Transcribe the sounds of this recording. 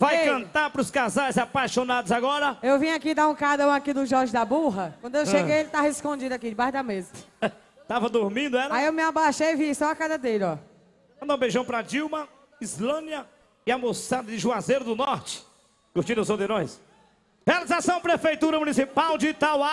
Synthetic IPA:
vajkɐ̃nt̪aɾpɾʊskazajzapajʃonad̪ʊzaɡɔɾɐewvĩɲakid̪aũkaɐ̃w̃akid̪ʊʒɔɾʒɪd̪abuɦɐkwɐ̃nd̪ʊewʃeɡejelɪt̪aheskõd͡ʒid̪ʊakid͡ʒɪbaʃʊd̪ɐmezɐ | t̪avɐd̪ʊɾmĩd̪ʊɛɾɐaiewmɪabaʃejivisɔakazɐd̪elɪɔ | mɐ̃d̪ɐ̃w̃beʒɐ̃w̃pɾɐd͡ʒiwmɐ | izlɐ̃d̪iɐ | ɪamosad̪ɐd͡ʒɪʒuazejɾʊd̪ʊnɔɾt͡ʃɪ̥ | kʊt͡ʃĩd̪ʊzod̪eɾõj̃s | healizasɐ̃w̃pɾefejt̪uɾɐmunisipawd͡ʒit̪awa

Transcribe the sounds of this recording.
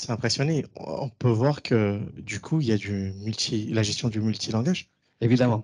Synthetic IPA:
sɛɛ̃pχesjɔnḛɔ̰̃pøvwaʁkʰəd̪ykʰuiljad̪ymylt̪ʰilaʒɛst̪jɔ̃d̪ymylt̪ʰilɑ̃ɡaʒ | evid̪amɑ̃

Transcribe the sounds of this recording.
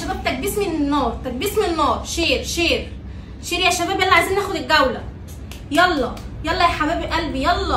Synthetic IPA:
ʃæbæːb̚t̪æk̚biːsmenenːɑːɾˤt̪æk̚biːsmenenːɑːɾˤʃeːɾʃeːɾ | ʃeːɾjæʃːæbæːbʔælːʕaeziːnːæːxod̪eɡæwlæ | jɑlːɑ | jɑlˤːɑjæħabæːbʔælbijɑlˤːɑ

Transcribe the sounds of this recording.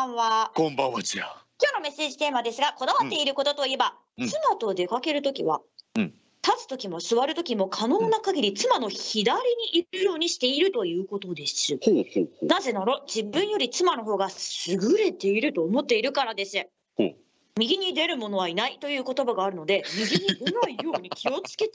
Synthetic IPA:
ãβaɡ̥õmbãβat͡ɕiakʲoːno̞me̞sːe̞ːʑit̪e̞ːmad̪e̞sɨɡako̞d̪aβat̪ːe̞iɾɯ̟ko̞t̪o̞t̪o̞ie̞ba | t͡sɨmat̪o̞d̪e̞kake̞ɾɯ̟t̪o̞kʲiβa | t̪at͡sɨ̥t̪o̞kʲimo̞sɨβaɾɯ̟t̪o̞kʲimo̞kʰano̞ːnakaɡʲiɾʲit͡sɨmano̞çid̪aɾʲiɲ̟iʔːɾɯɯ̟jo̞ːɲ̟iɕi̥t̪e̞iɾɯ̟t̪o̞jɯ̟ːko̞t̪o̞d̪e̞sɨnaze̞naɾo̞d͡ʑibɯ̟̃ɰ̃jo̞ɾʲit͡sɨmano̞ɦo̞ːɡasɨɡɯ̟ɾe̞t̪e̞iɾɯ̟t̪o̞ːmo̞t̪ːe̞iɾɯ̟kaɾad̪e̞sɨ | mʲiɡʲiɲ̟id̪e̞ɾɯ̟mo̞no̞βainait̪o̞jɯ̟ːko̞t̪o̞baɡaːɾɯ̟no̞d̪e̞mʲiɡʲiɲ̟id̪enaijo̞ːɲ̟ikʲio̞t͡sɨ̥ke̞t̪

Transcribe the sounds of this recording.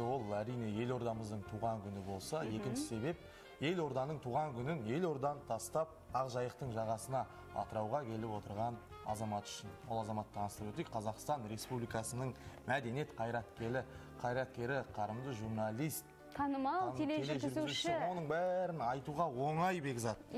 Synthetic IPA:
wo̞lˠæɾijne̞je̞lo̞ɾd̪ɑməzd̪əɴt̪ʰuʁɑŋkʲʰʏnɪbo̞lˠsɑje̞kʲɪnʃɪse̞be̞p̚ | je̞lo̞ɾd̪ɑnəɴt̪ʰuʁɑŋkʲʰʏnɪne̞lo̞ɾd̪ɑnt̪ʰɑst̪ɑp̚ɑʁʒɑjəqt̪əɴʒɑʁɑsənɑ | ɑ̰t̪əɾɑwʁɑkʲʰe̞lɪpwo̞t̪əɾʁɑnɑ̰zɑmɑt̪ʏ̥ʃɪnwolˠɑzɑmɑt̪ʰːɑnəst̪ɾəpwɵt̪ej̚qʰɑzɑqst̪ɑnɾe̞spublijkɑsənəɴmæd̪e̞ne̞t̪qʰɑjɾɑt̪kʲe̞lɪ | qʰɑjɾɑt̪̚kʲe̞ɾɪqʰɑɾəmd̪əʒuɾnɑlˠijst̪̚ʰɑnəmeeleʒɪeo̞nəɴbæɾɪnɑjt̪uʁɑwo̞ɴɑjbe̞ɡʲzɑt̪

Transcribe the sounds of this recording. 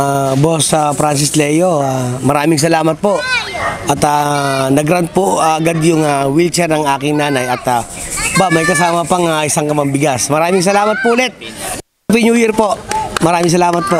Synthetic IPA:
abosɐfɾans̬ɪslɛjoamɐɾaːmɪŋs̬ɐlaːmɐt̪̚poʔʔɐt̪anɐɡɾant̪̚poaɐɡad̪jʊŋɐwilt͡ʃɛɾnɐŋaːkɪŋnaːnɐjɐt̪ɐ | bamɐjkɐsaːmɐpɐŋaʔɪsaŋkɐmɐmbɪɡasmɐɾaːmɪŋs̬ɐlaːmɐt̪̚poʔlɛt̪̚ | pɪnjuːjɪɾpoʔmɐɾaːmɪŋs̬ɐlaːmɐt̪̚po

